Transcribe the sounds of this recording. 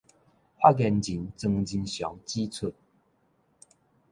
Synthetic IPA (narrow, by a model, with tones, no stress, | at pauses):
ʔa˦ɡɛ˧nd͡ʑi˨˦nt͡sə˧ŋd͡ʑi˧nɕjɔ̰˨˦ŋt͡ɕi˦t͡sʰə˥˨n